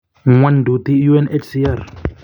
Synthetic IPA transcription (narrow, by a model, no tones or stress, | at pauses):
ŋwandut̪ijuɛnet͡ʃʰsiar